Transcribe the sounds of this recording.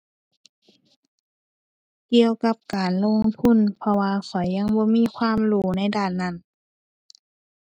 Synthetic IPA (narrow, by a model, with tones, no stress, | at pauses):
ki˧əwka˧˥p̚kaː˨˩nlo˧˨ŋt̪ʰu˧˥˨npʰɔ˧waː˧kʰɔ˨˩jːa˧˥˨ŋbɔː˧˦miː˧˥˨kʰwaː˧˥˨mluː˧˩na˧˩˨jdaː˧˩˨nːa˧˥˨n